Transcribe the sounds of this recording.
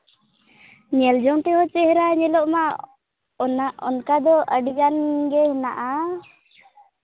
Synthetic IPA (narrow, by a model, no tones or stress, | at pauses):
ɲɛld͡ʒɔŋʈ̪ɛɦɔt͡ʃɛhɾaɲɛlɔʔma | naɔ̰nkad̪ɔʔəɖiɡanɡɛhɔnaʔa